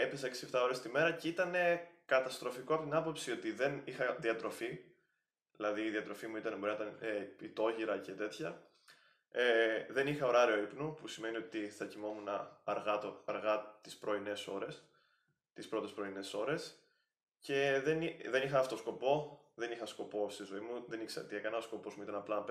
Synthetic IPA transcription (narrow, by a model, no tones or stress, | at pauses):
epesɐeksie̞ft̪ɐo̞ɾe̞st̪ime̞ɾɐceit̪ɐne̞kɐt̪ɐst̪ɾo̞fikoɐpot̪inɐpo̞psio̞t̪iðe̞nixɐðiɐt̪ɾo̞fi | ðilɐðiːðiɐt̪ɾo̞fimuit̪ɐnebo̞ɾinɐt̪ɐnpit̪o̞ʝiɾɐce̞t̪e̞t̪çɐ | eðe̞nixɐo̞ɾɐɾio̞ipnupusime̞niot̪iθɐcimo̞munɐːɾɣɐt̪oɐɾɣɐt̪ispɾo̞ineso̞ɾes | t̪ispɾo̞t̪e̞spɾo̞ine̞so̞ɾe̞s | ce̞ðenðe̞nixɐɐft̪o̞sko̞po̞ | ðe̞nixɐsko̞po̞st̪izloimuðe̞nikseɐ̰t̪iekɐnɐosko̞po̞zmuit̪ɐnɐplɐnɐp